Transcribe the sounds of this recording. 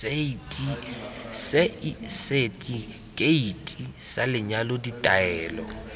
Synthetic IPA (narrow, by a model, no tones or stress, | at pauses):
eitʼi | sɪisetʼi | kʼeitʼisalɪɲaloditʼaɛːlɔ